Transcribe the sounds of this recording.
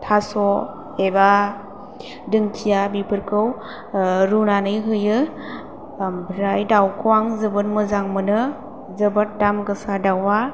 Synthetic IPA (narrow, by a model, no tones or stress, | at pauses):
tʰasɔ | eba | dɯŋtʰijabipʰɯɾkʰɯw | ɾunanɯjɦɯjɯ | bɾajdawkʰɯwaŋzɯbɯnmɯzaŋmɯnɯ | zɯbat̚damɡɯsadawa